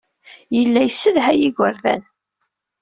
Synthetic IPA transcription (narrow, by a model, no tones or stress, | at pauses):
jəlːæjsːəðɦæjiɡʷəɾðæ̰n